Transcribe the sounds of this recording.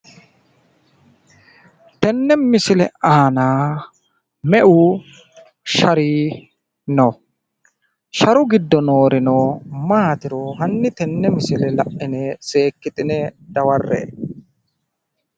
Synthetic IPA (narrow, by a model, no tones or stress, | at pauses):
t̪ɛnːɛmɪsɪlɛ̰ʔaːnaː | mɛʔu | ʃɐɾiː | nɔ | ʃɐɾʊɡɪd̪ːɔnoːɾɪnoːmaːt̪ɪɾɔhɐnːɪt̪ɛnːɛmɪsɪlɛlɐʔːɪnɛse̞ːkːɪt̪ʼɪnɛd̪̥ɐwɐrːḛː